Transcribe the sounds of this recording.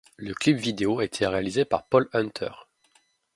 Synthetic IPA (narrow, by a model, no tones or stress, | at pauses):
ləklipvid̪eoaet̪ʰeʁealizepa̰ʁpɔlœ̃nt̪ʰœ̰ʁ